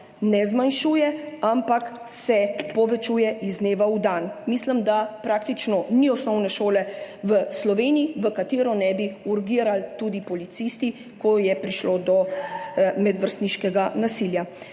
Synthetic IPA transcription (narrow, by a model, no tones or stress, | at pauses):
nɛzmanʃuːjɛampak | sɛpɔʋɛt͡ʃujɛʔizneːʋaud̪anmisləmd̪apɾaːk̚t̪it͡ʃnɔniɔsnɔwnɛʃoːlɛʋəslɔʋeːniːʋəkat̪eːɾɔnɛbiuɾɡiːɾalt̪ud̪ipɔlit̪sist̪i | kɔjɛpɾiʃlod̪ɔ | mɛd̪ʋəɾst̪niʃkɛɡanasilja